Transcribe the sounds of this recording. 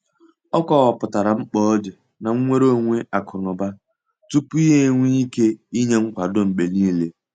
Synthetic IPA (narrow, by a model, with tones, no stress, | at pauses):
ɔ˦kʷɔ˨ɣa˨pʊ˨ta˨ɾa˨ŋ͡m̩˦k͡pɔ˦ɔ˦d͡ʒe˨ | na˨ŋ̩˦ŋʷe˦ɾo˦˨ŋʷe˦ʔa˨kʰʊ˨nʊ˨ba˦ | tu˦pu˦i˦ɦe˦ŋʷi˦i˦ke˦i˦ɲe˦ŋ͡m̩˦kʷa˨dʊ˦m̩˨ɡ͡be˨niː˦˨le˦